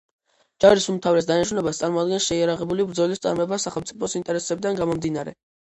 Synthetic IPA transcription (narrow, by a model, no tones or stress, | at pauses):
d͡ʒaɾisumt̪ʰavɾɛs̬d̪anaʃɾunɛbast̪sʼaɾmɔad̪ɡɛnsʃɛiaɾaʁɛbulibɾd̪zɔlist̪sʼa̰ɾmɔɛbasaχɛlmt̪sʼipʰɔsint̪ʼɛɾɛsɛbid̪anɡamɔmd̪inaɾɛ̰